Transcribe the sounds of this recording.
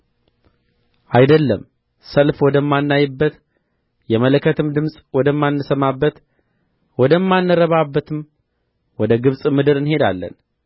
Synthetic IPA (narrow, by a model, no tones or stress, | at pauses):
ʔajd̪əlːəm | səlfwɔd̪əmːanːajɨbːət̪ | jɛmələkʰːət̪ʰɨmd̪ɨmsʼwɔd̪əmːanːɨsəmabːət̪ | wɔd̪əmːanːɨɾəβabːət̪ʰɨm | wɔd̪əɡɨβsʼmɨd̪ɨɾɨnhe̞d̪a̰lːə̰n